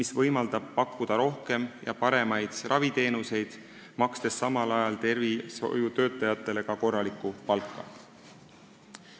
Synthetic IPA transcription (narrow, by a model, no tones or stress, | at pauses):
isvɤjmɑld̪̥ɑb̥̚pɑkːˑud̪̥ɑɾo̞hke̞mjɑ̰pɑɾe̞mɑjd̪̥rʔɑvit̪e̞ːnuse̞jd̪̥ | mɑkst̪e̞sːɑmɑlɑjɑlt̪e̞rviso̰jut̪ø̞ːt̪ˑɑjɑt̪ːˑe̞le̞ɡ̥ɑko̞rːɑlikˑupɑlkːˑɑ̰